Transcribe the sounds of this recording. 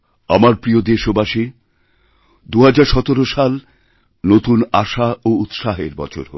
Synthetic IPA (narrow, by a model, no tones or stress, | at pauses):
a̰maɾpɾiod̪eʃobaʃi | d̪uɦad͡ʑaɾʃɔt̪oɾoʃal | not̪unaʃaout̪ʃaɦeɾbɔ̰t͡ɕʰo̰ɾɦo̰